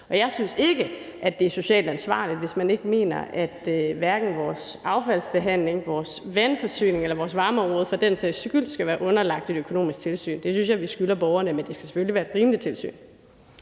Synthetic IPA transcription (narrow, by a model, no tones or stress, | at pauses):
ʔɒ̽jɑ̈ɪsynse̝ɡ̥əʔæd̥e̝æɐso̝ɕɛ̰ːld̥ænsʋɑ̰̈ːlid̥ʋe̝smæne̝ɡ̥əme̝̰ːnɐ̰æd̥ʋæɐɡ̥n̩ʋɒːsɑ̈ʊfælsb̥e̝ɦæn̰le̝ŋʋɒːsʋænfɒ̽sy̰ːne̝ŋelɐʋɒːsʋɑ̈ːməɒ̽mʁɔːð̞̩ˠfɑ̈d̥ensesɡ̥yl̰̥sɡ̥æʋæːɐʔɔ̽nɐlɑ̈ɡ̥̚d̥e̝d̥økʰo̝no̝̰ːmisɡ̥̚t͡sʰe̝lsy̰ːnd̥e̝synsjɑ̈ɪʋisɡ̥ylɐb̥ɒʊɐnəmend̥e̝sɡ̥æ̥se̥føliʋæːɐed̥ʁiːməlit͡sʰe̝lsy̰ːn